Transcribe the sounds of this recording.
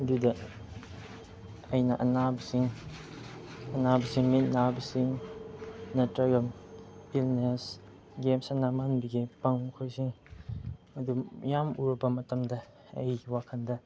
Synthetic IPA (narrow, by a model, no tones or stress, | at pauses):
ɐdudɐ | ɐjnɐʔɐnabisiŋ | ɐnabɐsiŋmit̚nabisiŋ | nɐtɾaɡɐmilnes | ɡemsɐnamanbiɡipɐŋmɐkʰojsiŋ | ɐdujamuɾɐbɐmɐtɐmdɐ | ɐ̰jwakʰɐndɐ